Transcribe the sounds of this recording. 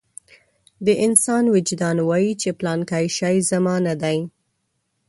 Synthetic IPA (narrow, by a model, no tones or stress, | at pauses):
d̪əʔɪnsɑnwɪd͡ʒd̪ɑnwɑjit͡ʃeplɑnkajʃɑjzamɑnad̪aj